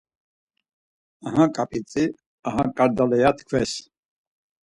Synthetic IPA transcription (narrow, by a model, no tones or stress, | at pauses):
aɦãkʼapʼit͡sʼi | aɦãkʼaɾd̪alɛjat̪ʰkʰvɛs